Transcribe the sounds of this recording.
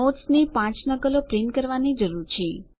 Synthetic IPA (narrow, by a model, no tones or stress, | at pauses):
otsnipãt͡ʃnəkəlopɾenkəɾʋanid͡ʒəɾuɾt͡ʃʰe